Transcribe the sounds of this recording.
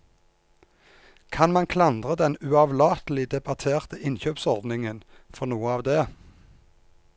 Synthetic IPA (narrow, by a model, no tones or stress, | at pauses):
kʰɑnmɑnkʰlɑnd̪ʁəd̪ɛnʉɑʋlɑːt̪əl̩ɪd̪ɛbɑt̪ʰeːʁt̪əʔɪnçøːpsɔʁd̪nɪŋənfɔʁnuːəɑːʋd̪eː